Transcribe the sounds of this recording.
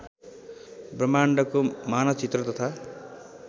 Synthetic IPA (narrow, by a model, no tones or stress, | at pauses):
brʌmaɳɖʌkomanʌt͡sit̪rʌt̪ʌt̪ʰa